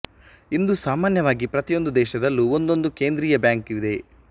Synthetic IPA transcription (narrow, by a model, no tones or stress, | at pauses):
ind̪usaːmaːnjɐʋaːɡipɾɐt̪ijo̞nd̪ud̪ɛːʃɐd̪ɐlːuond̪o̞nd̪uke̞ːnd̪ɾiːjɐbjaːŋkiʋid̪e̞